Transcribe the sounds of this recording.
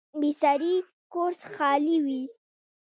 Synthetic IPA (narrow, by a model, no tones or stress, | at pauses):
bisaɾi | koɾsxɑliwi